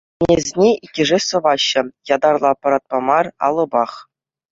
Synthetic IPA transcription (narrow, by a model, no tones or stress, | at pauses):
nʲezʲnʲeikʲːɘ̆ʐesɤ̆vɑɕːɤ̆jɑd̪ɑrlˠɑpɑɾɑt̪̚pɑmɑrɑ̰lˠɤ̆bɑχ